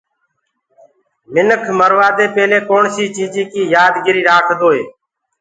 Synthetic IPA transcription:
mɪnəkʰməɾʋaːd̪eːpeːleːkoːɳsiːt͡ʃiːd͡ʒiːkiːjaːd̪ɡɪɾiːɾaːkʰd̪oːeː

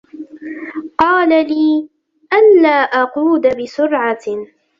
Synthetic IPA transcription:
qɑːlaliː | ʔanːaːʔɑquːd̪abɪsʊɾʕa

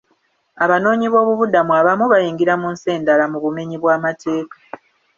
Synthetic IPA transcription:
aβano̞ːɲiβo̞ːβuβudamuaːβamuβajiːŋɡiɾamunse̞ːndalamuβume̞ɲiβwaːmate̞ːkḁ

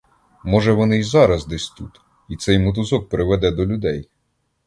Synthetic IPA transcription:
mɔʒɛʋɔnɪzɑɾɐzd̪ɛsʲt̪ut̪ | it̪sɛjmʊt̪̬ʊzɔk̚pɾɪʋɛd̪ɛd̪ɔlʲʊd̪ɛj

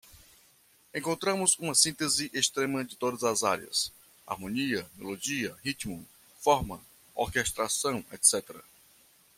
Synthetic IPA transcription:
ẽŋkõnt̪ɾɐ̃mʊzũmɐsĩnt̪ezɪʔest̪ɾẽmɐd͡ʒɪt̪od̪ɐzɐzaɾiɐ̰s | a̰ɾmõniɐmolod͡ʒiɐhit͡ʃ̪mʊ | fɔɾmɐ | oɾkeʃt̪ɾasɐ̃w̃ḛt̪sɛt̪eɾɐ

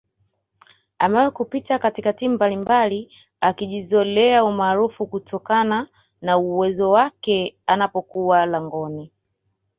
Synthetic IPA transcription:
amawɛkupitakatikatim̩balimbali | akiʄizɔlɛaumaːɾufukutʰɔkana | nauwɛzɔwakɛanapɔkualaŋɡɔni

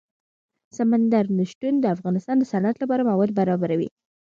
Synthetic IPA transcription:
samand̪aɾnəʃʈund̪əafɣɑnɪst̪ɑnd̪əsanat̪lapɑɾamawɑd̪̚baɾɑbaɾawḭ

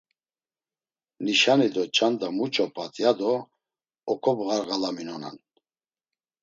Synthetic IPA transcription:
niʃanid̪ɔt͡ʃʰʼand̪amut͡ʃʰʼɔpʼat̪ʼjad̪ɔ | ɔkʰɔbɣaɾɣalaminɔna̰n

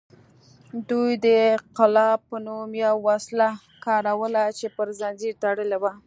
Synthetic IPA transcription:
d̪ujd̪əqɪlɑpːənumjawːasla | kɑɾawəlat͡ʃepəɾzanziɾt̪aɽəlewa

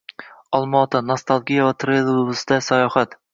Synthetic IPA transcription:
ɒlˠmɒːt̪ʰanast̪ʰalˠɡʲijavat̪ʰɾelˠllɨsd̪asajɒhat̪

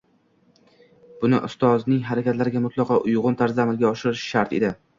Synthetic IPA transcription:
b̥ʊnɪ̰ʔʊst̪ɒznɪŋɦaɾakʲat̪laɾɪɡʲamʊt̪ʰlˠɑqɒʔʊjʁʊnt̪ʰaɾzamɪlɡʲaɒʃɪɾɪʃʃaɾt̪ḛd̪ɪ

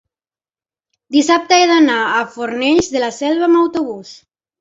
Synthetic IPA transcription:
d̪isap̚t̪əeðanaafoɾnɛʎzðelasɛlβamawt̪oβ̞us

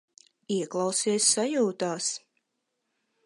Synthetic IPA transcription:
iɛklˠɑwsiɛsːajuːt̪aːs

